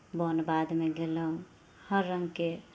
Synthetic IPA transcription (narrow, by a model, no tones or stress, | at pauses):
bɔnbad̪meɡeləɦũ | həɾːəŋɡke